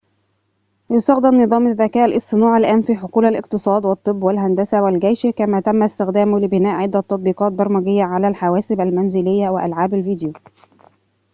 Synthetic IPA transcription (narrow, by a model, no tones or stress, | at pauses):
jʊst̪ɑxd̪ɪmnɨðˤɑːmaðːækæːʔlʔɪsˤt̪ːɨnuːʕalʔæːnfiːħoquːlalʔɪ̰qt̪ɨsˤɑːd̪wɑt̪ˤːɨbːwælɦænd̪æsawælɡæjʃkæmæːt̪æmːæst̪ɪxd̪æːmlɪbɪnæːʔʕɪd̪ːæt̪ˤːɑt̪ˤbiːqɑːt̪̚bɑɾˤmæɡɪjːaʕalæːlħawæːsɪbælmænzɪlɪjːawɪʔalʕaːbalviːd̪juː